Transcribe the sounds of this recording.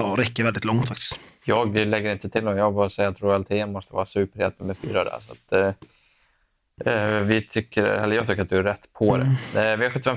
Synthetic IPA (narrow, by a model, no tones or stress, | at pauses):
ɾɛkːəɾvɛld̪ɪt̪lɔŋt̪fakt̪ɪ̥st̪jɑːɡlɛɡːəɾɪnt̪ət̪ʰɪld̪ɔmjɑːɡbɑɾsɛjːaat̪ɾʊɛlt̪ʰeːənmɔst̪əvɑ̰ːɾasʉ̟ːpəɾɛ̰t̪̚ːəmɛfy̰ːɾad̪æ̰ɾʂa̰t̪ | vɪt̪ʰʏkːəɾɛ̰lːəjɑɡt̪ʏkːəɾat̪d̪ɵæɾːɛt̪ːpʰɔd̪ɛ̰vɪhaɾɧɵt̪ːɪfɛ